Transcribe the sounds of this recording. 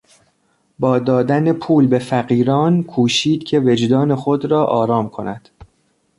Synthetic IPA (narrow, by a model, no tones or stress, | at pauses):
bɒːd̪ɒːd̪ænepʰuːlbe̞fæɢiːɾɒːnkʰuːʃiːd̪̥cʰe̞ve̞d͡ʒd̪ɒːne̞xod̪ɾɒːʔɒːɾɒːmkʰo̞næd̪̥